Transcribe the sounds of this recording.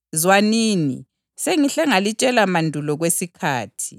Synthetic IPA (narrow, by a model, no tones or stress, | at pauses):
zwaniːnḭ | seŋiɬɛŋalit͡ʃʼɛlamandʱulɔɣwesikʰaːtʰi̥